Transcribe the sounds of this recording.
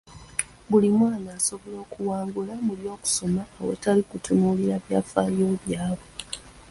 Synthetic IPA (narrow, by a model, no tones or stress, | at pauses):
bulimwaːnaːso̞βolo̞ːkuwaːŋɡulamuljo̞ːku̥so̞maːwḛtalikutʰunuliɾaβjafajo̞ːβjaːβwe